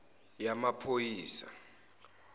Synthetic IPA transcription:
jamapʰojiːsa

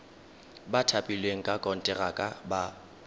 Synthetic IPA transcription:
batʰapʼilweŋ̩kʼakʼɔn̩tʼɛɣakʼaba

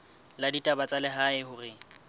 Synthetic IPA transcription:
laditʼabat͡sʼalɪɦaɪhʊrɪ

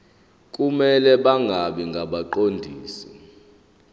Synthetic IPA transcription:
kʼumɛlɛɓaŋɡʱaɓiŋɡʱaɓaǃondʱiːsi

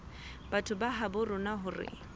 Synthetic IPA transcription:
batʰʊbaɦabʊrʊnaɦʊrɪ̰

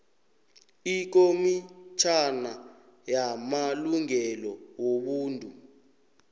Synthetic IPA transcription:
ik̬omit͡ʃʰana | jamaluŋɛlɔwoɓuːntʼu

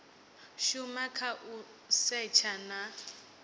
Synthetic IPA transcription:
ʃumakʰaʔu | sɛt͡ʃʰana

